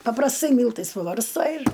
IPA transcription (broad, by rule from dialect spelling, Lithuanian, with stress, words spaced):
pɐprɐsˈtɐɪ ˈmʲiːlˠtɐɪs pɐbɐrsˈtɐɪ ɪr